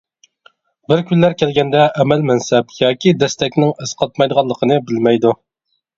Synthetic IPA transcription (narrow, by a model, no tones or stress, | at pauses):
bɪɾkʲʰynlæɾkʲʰɛlɡʲɛnd̪ɛʔːmɛlmɛnsɛpjɑːkʲid̪ɛst̪ɛkʲnɪŋɨsqʰɑt̪̚mɑjd̪əʁɑlˠːəqʰənɨbɪlmɛjd̪u